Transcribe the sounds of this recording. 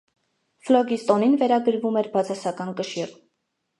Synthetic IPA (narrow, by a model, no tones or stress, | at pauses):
flɔɡist̪ɔninvɛɾɑɡəɾvumɛɾbɑt͡sʰɑsɑkɑnkəʃir